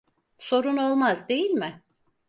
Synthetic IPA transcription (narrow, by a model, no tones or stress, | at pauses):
so̞ɾuno̞lˠmazd̪e̞jilʲmɪ